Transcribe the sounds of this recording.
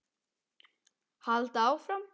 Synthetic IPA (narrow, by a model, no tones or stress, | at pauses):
halt̪awfɾam